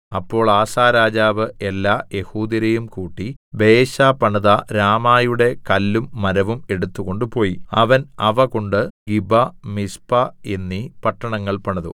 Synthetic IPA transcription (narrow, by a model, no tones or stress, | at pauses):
ɐpːo̞ːɭaːsaːɾaːd͡ʑaːʋɨe̞lːaːje̞huːd̪jɐɾɐjumkuːʈːibe̞ːɕaːpɐɳɐðɐɾaːmaːjuɽe̞kɐlːumːɐɾɐʋume̞ɽut̪ːuɣo̞ɳɖɨpo̞ːjiɐʋɐnɐʋɐko̞ɳɖɨɡibɐmispɐenːipɐʈːɐɳɐŋːɐɭpɐɳɐðṵ